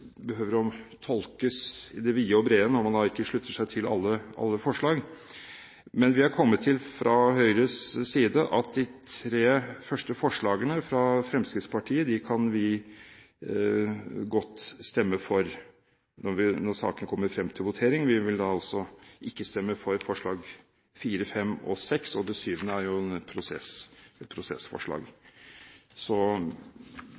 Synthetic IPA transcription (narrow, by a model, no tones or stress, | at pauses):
bəɦøːʋəɾɔt̪ʰɔlkəsɪd̪ɛʋiːəɔbɾeːənəɔmɑnd̪ɑɪkːəʂɭʉt̪ːəʂæɪt̪ʰɪlɑ̰lːəʔɑ̰lːəfɔʂɭɑːɡ | mɛnʋɪhɑɾkʰɔmːət̪ʰːɪlfɾɑɦœʏɾəssiːd̪əʔɑt̪̚d̪ɪt̪ʰɾeːfœʂʈəfɔʂɭɑːɡənəfɾɑfɾɛmskɾɪt̪spɑʈʰiːəd̪ɪkʰɑnʋɪ | ɡɔt̪ːst̪ɛmːəfɔɾ | nɔɾʋɪnɔsɑ̰ːkənəkʰɔmːəɾfɾɛmːt̪ʰɪlʋʊt̪ʰeːɾɪŋʋɪʋɪld̪ɑɑlsɔʔɪkːəst̪ɛmːəfɔɾfɔʂɭɑːɡ | fiːɾəfɛmːɔ̰sɛksɔd̪ɛsyːʋənəæɾjʊɛnpʰɾʊsɛ̰sɛt̪̚pʰɾʊsɛ̰sfɔ̰ʂɭɑ̰ːɡ | sɔ